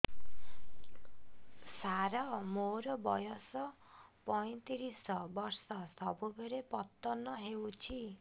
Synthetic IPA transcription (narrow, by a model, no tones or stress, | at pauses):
saɾɔmoɾɔbɔjɔsɔ | pɔj̃t̪iɾisɔbɔɾsɔsɔbubʱeɾepɔt̪ːɔnɔɦewt͡ʃʰi